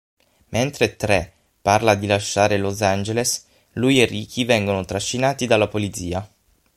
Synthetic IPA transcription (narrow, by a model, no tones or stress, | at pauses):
mʔent̪ɾet̪ɾe | pːarlad̪ilaʃːaːɾelozand͡ʒeles | lujerːiːkʰivɛŋɡonot̪ɾaʃːinaːt̪id̪alːapolid̪ziːa